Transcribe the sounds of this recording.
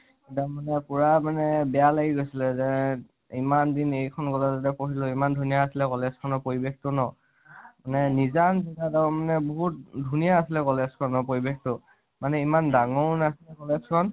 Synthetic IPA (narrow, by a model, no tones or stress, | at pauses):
itamanɛpuɹamanɛbɛjalaɡiɡojsilɛzɛ | imandinejkʰɔnɡɔlazatɛpoɦiloimandʱunijaːsilɛkɔlez̥kʰɔnɔpoɹibektʊnɔ | manɛnizanzɔɡataɔmanɛboɦut̚dʱunijaːsilɛkɔlez̥kʰɔnːɔpoɹibekʰtʊ | manɛimandaŋɔnasilɛkɔlezkʰɔn